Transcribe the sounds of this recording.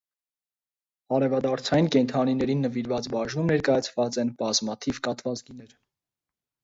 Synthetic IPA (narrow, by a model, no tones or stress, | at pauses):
ɑɾɛvɑd̪ɑɾt͡sʰɑjinkɛnt̪ʰɑninɛɾinːəviɾvɑt͡sbɑʒnumnɛɾkɑjɑt͡sʰvɑt͡sɛnbɑzmɑt̪ʰivkɑt̪vɑt͡sɡinɛɾ